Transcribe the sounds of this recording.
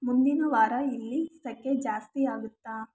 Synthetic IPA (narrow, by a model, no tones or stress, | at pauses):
mund̪inɐʋaːɾɐilːist̪ɐkːed͡ʒaːst̪iaːɡut̪ːaː